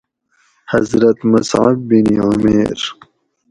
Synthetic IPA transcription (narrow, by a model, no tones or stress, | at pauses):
hɐzɾɐt̪mɐsʕa̰b̚ːiniʊmeɾ